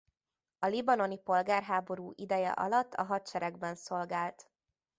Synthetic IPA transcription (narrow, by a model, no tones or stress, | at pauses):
ɒlibɒno̞nipo̞lɡaːrɦaːbo̞ɾuːʔid̪ɛjɛ̰ʔɒ̰lɒt̪ʰːɒɦɒt̪t͡ʃɛɾɛɡbɛnso̞lɡaːlt̪